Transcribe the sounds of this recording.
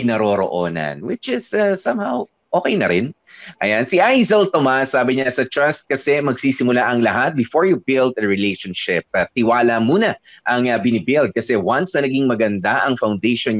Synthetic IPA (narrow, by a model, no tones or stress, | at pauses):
nɐɾoːɾo̰ʔoːnɐ̰nwɪt͡ʃɪzɐsɐ̃mhaw | ʔoːkɛjnɐɾɪn | ʔɐjansiʔajzɐlt̪omasːaːbɪɲasɐt̪ɹɐst̪̚kɐsɛmɐɡsiːsɪmʊlaʔɐŋlɐɦat̪̚bɪfoɹjubɪld̪ɐɹɪlejʃonʃɪp̚ːɐt̪ɪwaːlɐmuːnɐʔɐŋɐbɪnɪbɪld̪̚kɐsɛwansnɐnɐɡiŋmɐɡɐnd̪aʔɐŋfawnd̪ejʃon